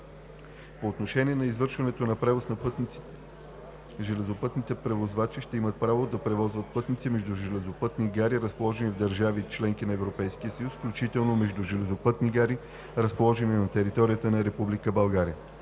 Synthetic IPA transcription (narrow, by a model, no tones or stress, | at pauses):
poːt̪noʃɛnʲiɛnɐizvɤɾʃvɐnɛt̪onɐpɾɛvosnɐpt̪ | ʒɛlɛzopɤt̪nit̪ɛpɾɛvozvat͡ʃiʃt̪ɛimət̪̚pɾavod̪ɐpɾɛvɔzvət̪̚pɤt̪nit̪simɛʒd̪uʒɛlɛzopɤt̪niɡaɾiɾəspolˠɔʒɛnivd̪əɾʒavit͡ʃlɛŋkinɐɛvɾopɛjskiəsəjusfklʲut͡ʃit̪ɛlˠnomɛʒd̪uʒɛlɛzopɤt̪niɡaɾi | ɾəspolˠɔʒɛninɐt̪ɛɾit̪ɔɾijət̪ənɐɾɛpublikəbɐlˠɡaɾiə